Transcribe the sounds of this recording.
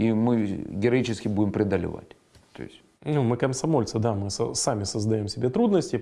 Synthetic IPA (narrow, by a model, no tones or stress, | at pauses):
imɨɡʲɪɾɐit͡ɕɪskʲɪbudʲɪmpɾʲɪd̪əlʲɪ̰va̰tʲ | t̪o̰ɪ̰sʲtʲ | numɨkəmsɐmo̞lʲt̪sɨd̪amɨsə̰samʲɪsəzd̪ɐjo̞msʲɪbʲet̪ɾud̪nəsʲtʲɪ